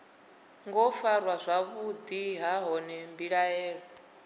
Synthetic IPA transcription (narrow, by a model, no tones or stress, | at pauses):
ŋɡɔfaɾwazʷaβud̪iɦaɦɔnɛmbiɺaɛːɺɔ